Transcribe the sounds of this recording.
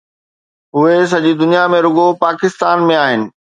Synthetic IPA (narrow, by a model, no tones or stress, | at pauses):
ɦʊes̬ɐʄid̪ʊnijamẽɾʊɠopaːkɪst̪aːnmẽaːɦɪnɪ̆